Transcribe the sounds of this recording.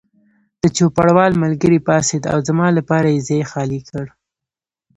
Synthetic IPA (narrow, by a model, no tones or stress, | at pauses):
d̪̥ət͡ʃopaɽwɑlmalɡəɾipɑsed̪a̰wzamɑlapɑɾajezejexɑlikʰəɽ